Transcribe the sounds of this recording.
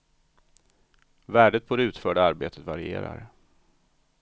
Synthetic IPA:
væːɖət̪̚bʰɔːd̪ɛʉ̟ːt̪fœːɖaaɾbeːt̪ʰət̪vaɾɪḛːɾa̰ɾ

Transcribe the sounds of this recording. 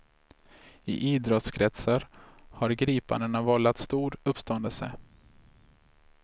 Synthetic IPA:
ɪ̰ʔiːd̪ɾɔt̪skʰɾɛt̪saɾhaɾɡɾiːpa̰nd̪ənavɔlat̪st̪uːɾɵpːst̪ɔnd̪əlsə̰

